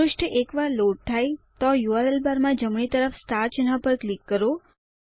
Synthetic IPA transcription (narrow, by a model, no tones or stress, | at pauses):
ʊʂʈʰəʔekʋaloʈ̚t̪ʰajt̪ɔjuaɾəlbaɾmãd͡ʒəmɳ̃it̪əɾəfsʈaɾt͡ʃənɦapəɾklikːəɾo